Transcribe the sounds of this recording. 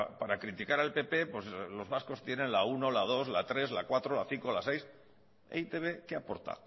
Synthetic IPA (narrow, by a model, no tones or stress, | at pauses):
paɾakɾit̪ikaɾalpe̞pe̞pwe̞slo̞zβasko̞st̪je̞nẽ̞nlauno̞lað̞o̞zlat̪ɾe̞zlakwat̪ɾo̞laθiŋko̞lase̞js | ḛit̪e̞β̞e̞keapo̞ɾt̪a̰